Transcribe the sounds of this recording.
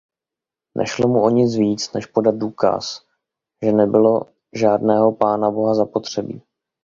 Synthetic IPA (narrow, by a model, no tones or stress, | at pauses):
nʔɛ̰ʃlomuoɲɪt͡sviːt͡snɛʃpo̞dat̪̚duːka̰s | ʒɛnɛbɪlo̞ | ʒaːdnɛːɦo̞paːnabo̞ɦazapot̪r̝̥ɛbḭː